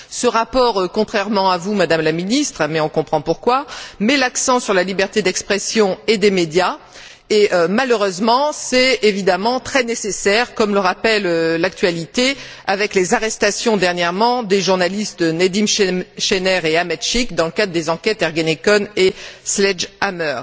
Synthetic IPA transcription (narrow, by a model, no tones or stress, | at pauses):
səʁapɔʁəkɔ̃t̪χɛʁmɑ̃avumad̪amlaminist̪χmɛɔ̃kɔ̃pχɑ̃puʁkwamɛlaksɑ̃syʁlalibɛʁt̪ed̪ɛkspχɛsjɔ̃ed̪emed̪ja | eømaløʁøzmɑ̃sɛtevid̪amɑ̃t̪χɛnesesɛʁkɔmləʁapɛlølak̚t̪ɥalit̪e | avɛklezaʁɛst̪asjɔ̃d̪ɛʁnjɛʁmɑ̃d̪eʒuʁnalist̪əned̪imʃʃɛnɛʁeamɛt̪ʃikd̪ɑ̃ləkad̪ʁd̪ezɑ̃kʲɛt̪ɛʁɡanekɔneslɛʒamœʁ